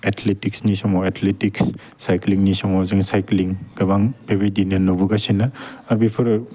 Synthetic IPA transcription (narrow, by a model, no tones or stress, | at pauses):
etʰletiksnisɔmoetʰletiks | sajkliŋnisɔŋɔzɯŋsajkliŋɡɐbaŋpʰebedinɐnobuɡasinɐːbipʰɯɾ